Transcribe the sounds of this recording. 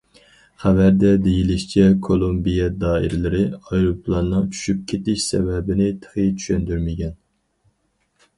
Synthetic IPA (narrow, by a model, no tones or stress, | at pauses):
χævæɾd̪ɛd̪ejilɪʃt͡ʃʰɛkʰolˠombijɛd̪ɑːḭɾɪlɪɾɪɑjɾopʰlˠɑnːɨŋt͡ʃʰy̥ʃyp̚kʲʰet̪ɪʃsɛ̰vɛbɪnɪt̪ʰə̥χit͡ʃ̪ʰy̥ʃɛnd̪yɾmɪɡʲɛn